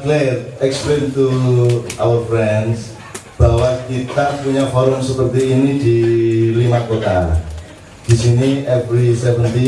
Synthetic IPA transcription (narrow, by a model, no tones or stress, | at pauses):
klet̪̚ɛksplent̪u | awərfɾɛns | b̥aɦwakit̪apuɲafɔɾʊmsəpərt̪iːnidilimakot̪a | d̥isiniʔɛvɾisɛvənt̪i